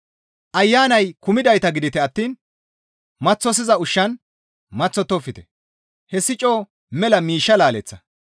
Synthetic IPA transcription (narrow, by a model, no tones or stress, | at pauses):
ʔɐjːaːnɐjkʊmɪd̪ɐjt̪ɐɡɪd̪ɪt̪ɛɐt̪ːiːn | mɐt͡sːɔs̬ɪzɐʊʃːɐn | mɐt͡sːɔt̪ːɔfːɪt̪ɛ̥ | hɛsːɪt͡ʃʼoː | mɛlɐmiːʃːɐlaːlɛt͡sːɐ